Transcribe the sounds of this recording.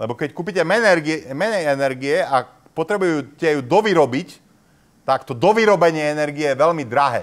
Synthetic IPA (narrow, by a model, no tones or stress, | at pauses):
lɛbɔkɛckuːpicɛmɛnɛɾɡimɛɲɛɛnɛɾɡiɛa | pɔt̪ɾɛbujucɛjud̪ɔʋiɾɔbic | t̪akt̪ɔd̪ɔʋiɾɔbɛɲɪɛɛnɛɾɡiɛjɛʋɛlmid̪ɾaɦɛ̰ː